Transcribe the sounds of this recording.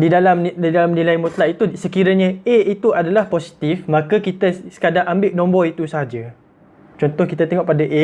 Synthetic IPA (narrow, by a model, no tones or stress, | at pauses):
didalamdidalamnilajmut̪laʔit̪usəkiɾaɲaeit̪uadalahposi̥t̪ifmãkakit̪asə̥kadaʔambɪʔnɔ̃mbɔit̪usəaɦad͡ʒa | t͡ʃɔnt̪ɔhkit̪at̪eŋɔʔpadaʔe